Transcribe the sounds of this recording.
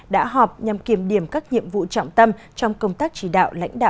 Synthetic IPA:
ɗa̰ː˧˥ɦɔ˨˩p̚ɲa˨˩mki˧˩əmɗi˧˩əmkaː˦˥k̚ɲḭ˧˨əmvṵ˧˨t͡ɕɔ̰˧˨wŋ͡mt̪ə˧m | t͡ɕɔ˧wŋ͡mkə˧wŋ͡mt̪aː˦˥k̚t͡ɕi˧˩ɗa̰ː˧˨wla̰˧˥jŋ̟ɗa̰ː˧˨

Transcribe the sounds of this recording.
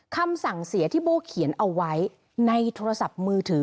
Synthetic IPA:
kʰa˧msa˨˩ŋsi˨˩˦ɐt̪ʰiː˥˩boː˧kʰi˨˩˦ənʔa˧wːa˦˥j | na˧jt̪ʰoː˧ɾa˧sa˨˩p̚mɯː˧t̪ʰɯː˩˦

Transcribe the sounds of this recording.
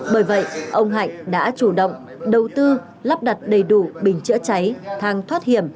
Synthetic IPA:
ɓəː˧˩jvə̰˧˨jʔə˧wŋ͡mɦa̰˧˨jŋ̟ɗa̰ː˧˥t͡ɕu˧˩ɗə̰˧˨wŋ͡m | ɗə˨˩wt̪ɨ˧ | la˦˥p̚ɗa˨˩t̚ɗə˨˩jɗu˧˩ɓï˨˩ŋ̟t͡ɕɨ̰˧˥t͡ɕa˨˦jt̪ʰaː˨˩ŋt̪ʰwaː˦˥t̚hi˧˩əm

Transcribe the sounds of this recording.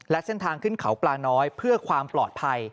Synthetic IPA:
lɛ˦˥se˥˩nt̪ʰaː˧ŋkʰɯ˥˩nkʰa˩˦wplaː˧nɔː˦˥jpʰɯ˥˩ɐkʰwaː˧mplɔ̰ː˨˩t̪̚pʰa˧j

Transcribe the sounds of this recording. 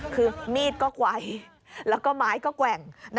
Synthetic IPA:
kʰɯː˧miː˥˩t̪̚kɔː˥˩kwa˧˩j | lɛː˦˥wkɔː˥˩maː˨˦˥jkɔː˥˩kwɛ˨˩ŋn

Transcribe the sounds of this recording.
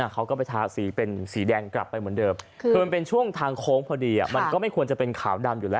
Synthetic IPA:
a˧˩kʰa˦˥wkɔː˥˩pa˧jt̪ʰaː˧˩˧siː˩˦pe˧nsiː˩˦dɛː˧ŋkla̰˨˩pːa˧jmɯ˩˦ndɤː˧m | kɯː˧npe˧nt͡ɕʰu˥˩əŋt̪ʰaː˧ŋkʰoː˦˥ŋpʰɔː˧diː˧ʔa̰˨˩ma˧nkɔː˥˩ma˥˩jkʰu˧ənt͡ɕa˨˩pe˧nkʰaː˩˦wda˧mjuː˨˩lɛː˦˥

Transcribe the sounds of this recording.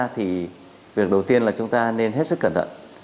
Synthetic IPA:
t̪ʰi˨˩ | vi˨˩ək̚ɗə˨˩wt̪i˧ənlaː˨˩t͡ɕʊ˧˦ŋ͡mt̪aː˧ne˧nɦe˦˥t̚sɨ˦˥kːəː˧˩nt̪ʰə̰˧˨n

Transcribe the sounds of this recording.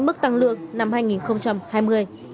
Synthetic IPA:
mɨ˦˥k̚t̪a˧˩ŋlɨ̰˧˨əŋ̚na˧mhaː˧jŋi˨˩nxə˧wŋ͡mt͡ɕa˧mhaː˧jmɨ˧əj

